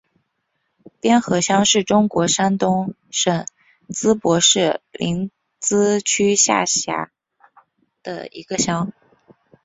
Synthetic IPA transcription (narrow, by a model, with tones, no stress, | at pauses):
pjɛ˥nxɤ˧˥ɕjɑ˥ŋʂɻ̩˥˩ʈ͡ʂʊ˥ŋkwɔ˧˥ʂa˥nt̪ʊ˥ŋ | ʂɤ˨˩ŋ | t͡sɹ̩˥pwɔ˧˥ʂɻ̩˥˩lḭ˧˥n | t͡sɹ̩˥t͡ɕʰy˥ɕja̰˥˩ɕja̰˧˥ | d̪̥ə̰˧ḭ˧˥ɡə˧ɕjɑ˥ŋ